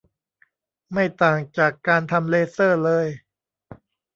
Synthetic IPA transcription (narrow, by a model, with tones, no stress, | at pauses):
ma˥˩jt̪aː˨˩ŋt͡ɕaː˨˩kːaː˧nt̪ʰa˧mleː˧sɤː˥˩lɤː˧j